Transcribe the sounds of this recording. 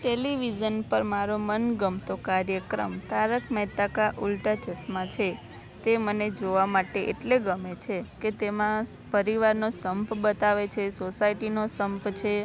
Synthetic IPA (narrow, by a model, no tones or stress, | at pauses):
ʈeliʋid͡ʒənpəɾmaɾomənɡəmt̪okaɾjəkɾə̰mt̪aɾəkʰməɦt̪akaʔulʈat͡ʃəsmãt͡ʃʰe | t̪eməned͡ʒoʋamaʈeʔḛʈleɡəmet͡ʃʰeket̪emã | pəɾiʋaɾnosəmpbət̪aʋet͡ʃʰesosaiʈinosəmpt͡ʃʰe